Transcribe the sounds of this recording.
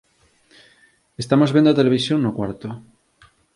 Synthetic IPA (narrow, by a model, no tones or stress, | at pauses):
est̪amozβend̪at̪e̞leβisjoŋːokwaɾt̪o